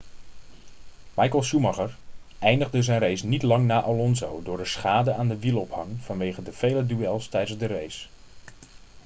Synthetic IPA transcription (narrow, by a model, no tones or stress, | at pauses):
mɑjkəlˠʃumɑχəɹ | ʔɛjndəχdəzɛjnrejsnitlɑŋnaːʔalɔnzowdʊːɹdəsχaːdəʔaːndəʋilˠɔphɑŋv̥ɑnʋejχədəv̥ejlədyɛlˠstɛjdənzdərejs